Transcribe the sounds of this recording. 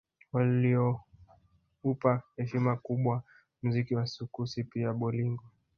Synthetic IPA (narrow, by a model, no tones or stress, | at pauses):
waliɔ | upahɛʃimakuɓwa | muzikiwasukusipiaɓɔliŋɡwa